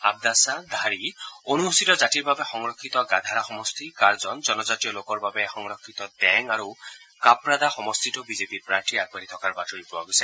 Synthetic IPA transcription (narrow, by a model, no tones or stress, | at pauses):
a̰b̚d̪asad̪ʱaɾionuust̪it̪ɔd͡ʒatiɾbabexɔŋɾɔkʰːit̪ɔɡad̪ʱaɾaxɔmɔst̪ʰikaɾd͡ʒɔnd͡ʒɔnɔd͡ʒatijɔlokɔɾbabexɔŋɾɔkʰːit̪ɔd̪ɛŋaɾu | kapɾad̪axɔmɔst̪ʰitɔbid͡ʒepipɾaɾʈiaɡ̚baɾit̪ʰɔkaɾbatɔipɾuaɡosa